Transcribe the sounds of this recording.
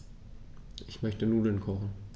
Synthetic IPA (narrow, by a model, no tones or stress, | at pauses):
ʔɪçmœçtənuːlənkʰɔχn̩